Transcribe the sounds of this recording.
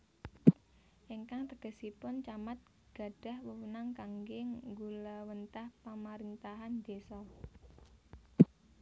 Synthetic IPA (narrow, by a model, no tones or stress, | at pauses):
ʔiŋkaŋt̪əɡ̥e̤sipʊnt͡ʃamat̪̚ | ɡ̥a̤ɖ̥a̤hwəwunaŋkaŋɡɪŋɡulawənt̪ahpamaɾint̪aɦand̪̥esɔ